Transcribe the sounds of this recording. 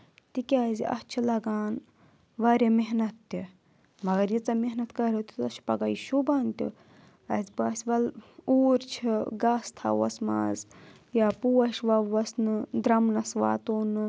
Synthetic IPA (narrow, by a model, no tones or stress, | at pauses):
t̪ikʲazʲḭʔɐ̰t͡ʃʰilɐɡaːn | ʋɐɾʲɐmeɦnɐt̪ːi | mɐɡɐɾjit͡sɐmeɦnɐt̪kɐɾʲɐt̪it̪ɐt͡ʃʰi̥pɐɡɐiʃubaːnt̪ṵ | ɐzʲbɐːsʲʋɐluːɾt͡ʃʰiɡaːst̪ʰɐ̰ʋɐsma̰ːz | jaːpuːwɐʃʋɐʋɐsnɨd̪ɾɐmnɐsʋa̰ːt̪oːnɨ